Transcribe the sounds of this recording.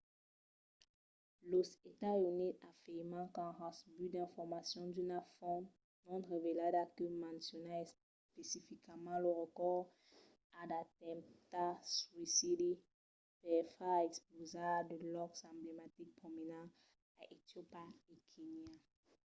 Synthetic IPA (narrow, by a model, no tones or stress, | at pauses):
losetaunitafemãkãhãsbydɛ̃fɔmasjɔ̃ndynafɔ̃n | nɔ̃nʁeveladakimãnsonas | pesifikamãloʁɔkɔ | adatɛ̃mtaswisidi | pɛfaɛksplozadəlɔksɛ̃mblematik̚pominã | aʔetjopaekʰenia